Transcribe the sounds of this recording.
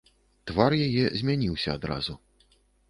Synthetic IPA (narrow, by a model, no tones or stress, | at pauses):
t̪varjajɛzʲmʲanʲiwsʲɐad̪ɾa̰zu